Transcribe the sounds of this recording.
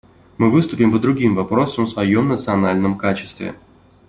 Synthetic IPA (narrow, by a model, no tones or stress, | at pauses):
mɨvɨst̪ʊpʲɪmpəd̪ɾʊɡʲimvɐpɾo̞səmsvɐjo̞mnət̪sɨɐnalʲnəmkat͡ɕɪ̥st̪vʲɪ̰